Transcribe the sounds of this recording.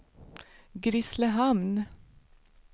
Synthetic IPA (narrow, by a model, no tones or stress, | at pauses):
ɡɾɪsləhɑmn